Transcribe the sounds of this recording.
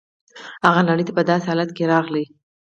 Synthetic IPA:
haɣanaɽəjt̪apəd̪ɑsehɑlat̪keɾɑɣlə

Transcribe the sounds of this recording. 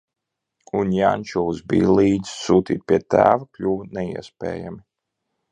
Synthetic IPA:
unjanʲt͡ʃuzbḭːlˠiːd̪z̥suːt̪ʲḭːt̪̚pʲiɛt̪æ̰ːvaklʲuːvnɛiɛspɛ̰ːja̰mi

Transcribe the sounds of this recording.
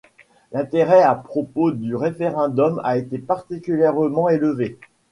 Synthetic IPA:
lɛ̃t̪eʁɛapχɔpod̪yʁefeʁɛ̃d̪ɔma̰et̪epaʁt̪ikʲyljɛʁmɑ̃eləve

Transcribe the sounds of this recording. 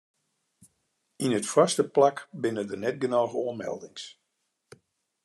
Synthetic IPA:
inətfastəplakbɪnədənɛt̚ɡənaːɣəoəmɛ̰lˠdɪŋs

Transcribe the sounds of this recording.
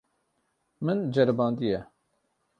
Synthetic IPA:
mɨnd͡ʒɛɾbɑːnd̪ijɛ

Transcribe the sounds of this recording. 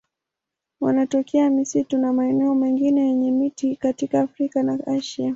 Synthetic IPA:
wanatɔkɛamisitunamaɛnɛɔmɛŋɡinɛjɛɲɛmitikatikaːfɾikanaaʃia

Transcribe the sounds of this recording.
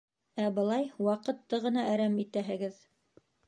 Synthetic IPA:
æbɤ̆lˠɑjwɑqɤ̆t̪ːɤʁɤ̆nɑæɾæmit̪æɦɘ̆ɡɘð

